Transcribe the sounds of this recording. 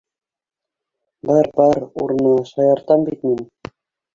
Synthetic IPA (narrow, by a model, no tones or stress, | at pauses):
bɑɾbɑɾṵɾnɤʃɑjɑɾt̪ɑmbit̪min